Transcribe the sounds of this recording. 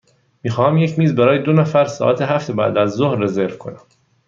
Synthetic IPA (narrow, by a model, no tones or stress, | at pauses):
miːxɒːhæmje̞cʰmiːzbæɾɒːjed̪onæfæɾsɒ̰ːʔæt̪ʰeɦæft̪ebæ̰ːd̪æzːohɾːezeɾvkʰo̞næm